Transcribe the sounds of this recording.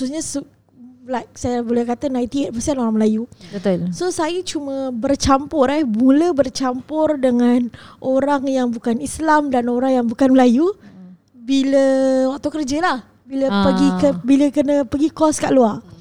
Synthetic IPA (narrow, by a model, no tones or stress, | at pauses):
ususɲəsu | lajk̚sajabolɛhkat̪anait̪iɛt̚pəsanoɾaŋməlajubət̪sosajət͡ʃumə̃bərt͡ʃampʊrɛhbuləbərt͡ʃampʊrdəŋanʔoɾaŋjaŋbukanislamdanoɾaŋjaŋbukanməlaju | biləwak̚t̪ukərd͡ʒəlah | biləpəɡikəbiləkənə̃pəɡikɔskaʔluar